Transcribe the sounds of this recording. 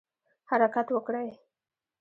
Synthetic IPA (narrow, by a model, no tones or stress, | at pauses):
haɾakat̪wəkɽaj